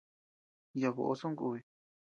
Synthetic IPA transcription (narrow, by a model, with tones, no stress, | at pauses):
ja˧βo̰˧ʔo˧so˦ŋɡu˧e˧˨